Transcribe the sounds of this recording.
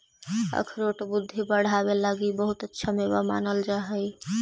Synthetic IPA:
ə̰kʰɾoʈbud̪ʱːibəɽ̤abelaɡibəɦut̪ətːʃʰamebama̰nəld͡ʒaɦɛj

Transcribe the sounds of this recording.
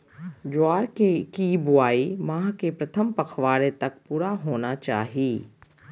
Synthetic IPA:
d͡ʒʊaːɾkekibʊaːimãːɦkepɾɐt̪ʰəmpɐkʰʋaːɾet̪ɐk̚puːɾaɦoːnat͡ʃa̰ːɦiiː

